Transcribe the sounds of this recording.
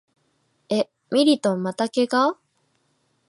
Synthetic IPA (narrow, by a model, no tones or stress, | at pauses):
e̞ | mʲiɾʲit̪õ̞mːat̪ake̞ɡa